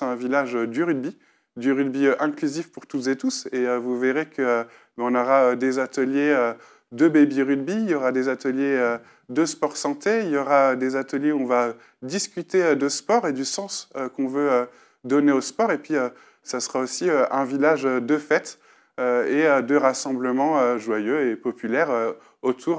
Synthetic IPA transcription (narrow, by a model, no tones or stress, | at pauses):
ɛ̃vilaʒød̪yʁyd̪bi | d̪yʁyd̪biøʔɛ̃klyzifpuʁt̪ut̪zet̪useøvuveʁekʰə | bɛɔ̃nɔʁaød̪ezat̪əljeø | d̪əbebiʁyd̪biljɔʁad̪ezat̪əljeø | d̪əspɔʁsɑ̃t̪eiljɔʁaød̪ezat̪əljeɔ̃va | d̪iskʲyt̪eød̪əspɔʁed̪ysɑ̃søkɔ̃vøø | d̪ɔneospɔʁepɥiø | sasəʁaosiøɛ̃vilaʒød̪əfɛt̪ | øeød̪əʁasɑ̃bləmɑ̃øʒwajøepɔpylɛʁø | ot̪ʰuʁ